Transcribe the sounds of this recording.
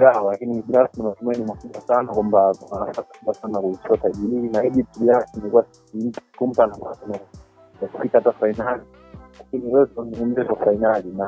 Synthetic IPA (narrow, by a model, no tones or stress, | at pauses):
ɡaalakiniɓiɾasinamatumainimakuɓwasanakwambawanasasḁkuɓwasanakuisiwataʄiɾiinaiɗitiɓiɾasinɛkuwa | imi̥kum̩panakasina | aku̥fikaatafainali | lakiniwɛtunɛm̩zɛtwafainalina